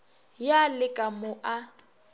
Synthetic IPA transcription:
jalɪkʼamʊʔa

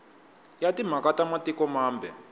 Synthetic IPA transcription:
jatim̤akatamatikɔmaːmbʱɛ

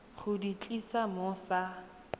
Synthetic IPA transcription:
χʊdit͡ɬʼisamʊsa

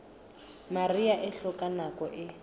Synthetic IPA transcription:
mariaʔɪɬɔkʼanakɔʔɪ

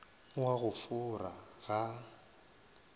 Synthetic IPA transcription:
waɣʊfʊraɣa

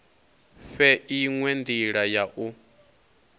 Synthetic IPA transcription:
fɛʔiŋwɛnd̪iɺajaʔu

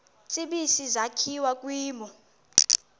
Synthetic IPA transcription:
t͡sʼiɓisizakʰiwakʼwiːmɔ

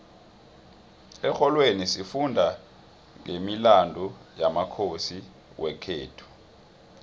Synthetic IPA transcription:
ɛxɔlwenisifundʱa | ŋemilandʱujamakʰosi | wɛkʰeːtʰu̥

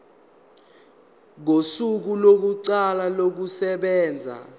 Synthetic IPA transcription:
ŋosuk̬ulok̬uǀalalok̬usɛɓɛːnd͡zʱa̰

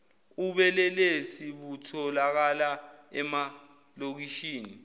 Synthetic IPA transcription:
uɓɛlɛlesiɓutʰɔlak̬alaɛma | lok̬iʃiːni

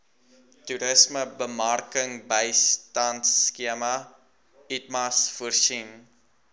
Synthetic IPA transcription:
tuɾəsməbəmɐrkəŋbəjstɐntskiəmɐ | itmɐsfuərʃin

